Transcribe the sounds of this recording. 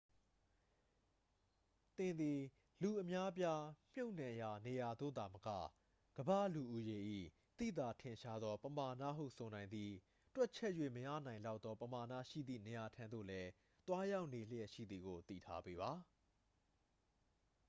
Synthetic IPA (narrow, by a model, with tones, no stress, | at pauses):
t̪ɪ̃˨nd̪i˨ | lu˨ʔəmja˦pja˦m̥jo˦ʊ̃nã˨ja˨ne˨ja˨d̪o̰˦˨d̪a˨məkä̰˦˨ | ɡ̥əba̰˦˨lu˨ʔu˦je˨ʔḭ˦˨ | t̪ḭ˦˨d̪a˨tʰɪ̃˨ʃa˦d̪ðɔ˦pəma˨nä̰˦˨ɦṵ˦˨sʰo˨nã˨ɪ̃nd̪ði˨ | twɛ˦ʔ̚t͡ɕʰɛ˦ʔjwḛ˦˨məjä̰˦˨nã˨ɪ̃la˦ʊt̪ːɔ˦pəma˨na̰˦˨ʃḭ˦˨d̪ðḭ˦˨ne˨ja˨tʰã˨nd̪o̰˦˨lɛ˦ | t̪wa˦ja˦ʊʔne˨l̥ə˦ɛ˦˨ʃḭ˦˨d̪ði˨ɡo˨t̪ḭ˦˨tʰa̰˦pe˦βa˨